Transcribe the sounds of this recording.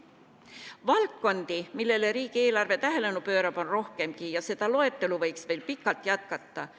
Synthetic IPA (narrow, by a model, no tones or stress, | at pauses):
vɑlkːo̞nd̪̥imilːe̞leɾiːɡ̥ie̞ːlɑrve̞t̪æɦe̞le̞nupø̞ːɾɑb̥o̞nro̞hke̞mɡijɑse̞d̪̥ɑlo̞e̞t̪ːe̞luvɤjksve̞lpikːˑɑlt̪ˑjɑt̪̚kɑt̪ːɑ